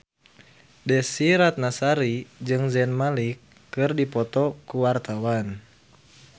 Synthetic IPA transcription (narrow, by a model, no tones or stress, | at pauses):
dɛsiɾat̪̚nasaɾid͡ʒɨŋzɛnmalikː | ɨrdipɔt̪ɔkuwart̪awan